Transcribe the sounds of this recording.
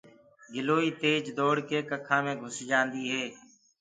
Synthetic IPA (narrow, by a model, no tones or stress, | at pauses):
ɡɪloːiːt̪eːd͡ʒd̪oːɽkeːkəkʰãːmẽːɡʱʊsd͡ʒãːnd̪iːɦeː